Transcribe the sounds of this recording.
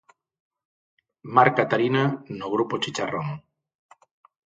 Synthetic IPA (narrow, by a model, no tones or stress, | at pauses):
maɾkat̪aɾinanoɣ̞ɾupot͡ʃit͡ʃaroŋ